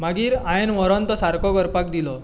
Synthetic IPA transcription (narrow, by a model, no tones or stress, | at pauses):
maɡiːɾajenʋɔɾɔnt̪ɔsaɾkɔɡəɾpak̚d̪ilɔ